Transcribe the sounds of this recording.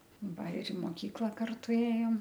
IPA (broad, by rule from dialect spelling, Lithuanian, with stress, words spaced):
ˈʋɐ ɪr ɪ moːˈkʲiːklˠɐ ˈkɐrtʊ ˈeːjoːm